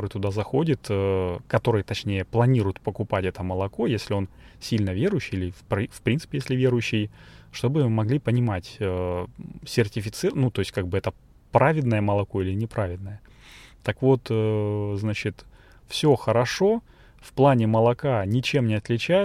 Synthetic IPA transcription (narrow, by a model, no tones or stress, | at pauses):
oɾɨjt̪ʊd̪azɐxodʲɪt̪əkɐt̪o̞ɾɨjt̪ɐt͡ɕnʲejəplˠɐnʲiɾʊjʊt̪pəkʊpatʲɛt̪əməlˠɐko̞jesʲlʲɪo̞n | sʲilʲnəvʲe̞ɾʊjɕːɪjilʲɪfpfpɾʲint̪sɨpʲɪjesʲlʲɪvʲeɾʊjʉɕːɪjʂt̪o̞bɨmɐɡlʲipənʲɪmatʲə | sʲɪrtʲɪfʲɪt̪sɨnut̪o̞ɪsʲtʲkaɡ̚bɨɛt̪ə | pɾavʲɪd̪nəjəməlˠɐko̞ilʲɪnʲɪpɾavʲɪd̪nəjə | t̪ɐkvo̞t̪əznat͡ɕɪt̪ | fsʲo̞xəɾɐʂo̞ | fplˠanʲɪməlˠɐkanʲɪt͡ɕe̞mnʲɪɐt̪lʲɪt͡ɕæjɪ